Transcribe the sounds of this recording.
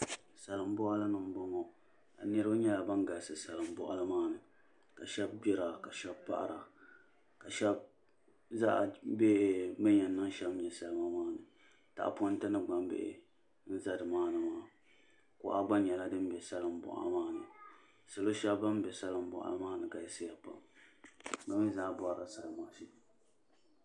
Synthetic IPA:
sa˨lɨ˨m˦bɔ˦ʔa˦la˦nɨ˨m˨bɔ˦mɔ˨ | a̰˨nɨ˦ɾɨ˦ba˦ɲɛ˦la˨ba˦ŋ˦ɡa˨sɨ˨sa˨lɨ˨m˦bɔ̰˦ʔa˦lɨ˦maː˦nɨ˨ | ka˨ʃɛ˦b̚bɪ˦ɾa˨ka˨ʃɛ˦bpa̰˦ʔa̰˨ɾa̰˨ | ka˨ʃɛ˦b̚ | za˦ʔbe˦ma˦ɲɛ˨nːa˦ŋʃɛ˦bɲɛ˨sa˦lɨ˦ma˦maː˦nɨ˨ | ta̰˨ʔpo˦n˦tɨ˦nɨ˦ɡ͡ba˨m˦bḛ˦ʔ | n̩˦za˦dɨ˨maː˦nɨ˨maː˦ | ko̰˨ʔa˦ɡ͡ba˦ɲɛ˨la˦dɨ˦m˦bɛ˨sa˦lɨ˦m̩˦bʊ̰˨ʔa̰˨maː˦nɨ̰˨ | sɨ˨lo˦ʃɛ˦bba˦m˦bɛ˨sa˦lɨ˦m̩˦bɔ̰˨ʔa̰˨la˦maː˦nɨ˨ka˨ɛ˨˦sɪ˦ja˨pa̰˨m | ba˦mi˦zaː˦bʊ˦a˨ɾa̰˨sa˦lɨ˨maː˦ʃɛ˦

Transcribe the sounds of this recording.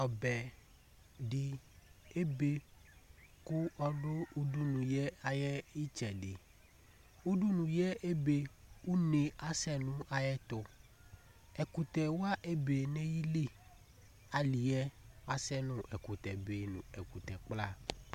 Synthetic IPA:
ɔ˨bɛ˨ | ɖi˨e˦be˦ | kʊ˦ɔ˦ɖʊ˦u˦du˦nũ˨jɛ˦a˨jɛ˦i˦t͡ʃɛ˨ɖɪ˨ | u˦ɖu˦nũ˨jɛ˦ʔe˦be˦u˦ne˨a˨sɛ˦nʊ̃˦ʔa˨jɛ˦t̪ʊ˨ | ɛ˨ku˨t̪ɛ˨wa˦ʔe˦be˨nɛ̃˦ji˦le˦ | a˨li˨ɛ˦a˦sɛ˦nʊ̃˦ʔɛ˨ku˨t̪ɛ˨be˨nʊ̰̃˨ɛ˨ku˨t̪ɛ˨k͡pla˦˨

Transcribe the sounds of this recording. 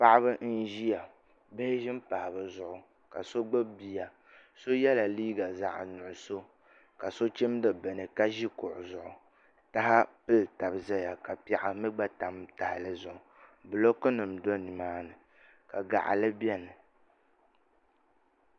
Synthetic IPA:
pa˦ʔɪ˦βɨ˦n̩˦ʒi˦ja˨ | bɨ˦hɪ˦ʒɪ˦mpa˨hɪ˨bɨ˨zʊ˨ʔʊ˨ | ka˨so˦ɡ͡bɨ˦bbi˨a˨ | so˦jɛ˦la˨liː˦ɡa˨za̰˦ʔnʊ˨ʔʊ˨so˦ | ka˨so˦t͡ʃi˦m˦dɨ˦bɛ˨nɨ˨ka˦ʒi˦kʊ˨ʔʊ˨zʊ˨ʔʊ˨ | ta˦ha˦pɨ˦lta˨bzɛ˦ja˨ka˨pɛ˨ʔa˨mɨ˦ɡ͡ba˦ta˨mta˨hɪ˨lɨ˦zʊ˨ʔʊ˨ | bɨ˨lo˦kɨ˦nɨ˨mdo˦ni˨maː˦nɨ˨ | ka˨ɡa̰˨ʔa̰˨lɨ˦bɛ˦nɨ˨

